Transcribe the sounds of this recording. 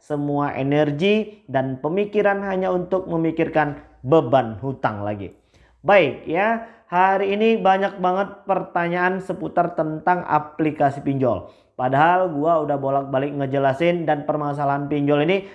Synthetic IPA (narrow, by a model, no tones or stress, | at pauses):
səmuaʔḛnərɡidanpəmikiɾanɦaɲaunt̪ʊk̚məmikɪrkan | bəbanɦut̪a̰ŋla̰ɡḭ | baɪk̚jahaɾiːnibaɲak̚baŋət̪̚pərt̪aɲaːnsəput̪art̪ənt̪aŋa̰plikasipiɲd͡ʒɔ̰l | padaɦalɡuaudahbolak̚balɪk̚ŋəd͡ʒəlasɪndanpərmas̬alaɦanpiɲd͡ʒɔlini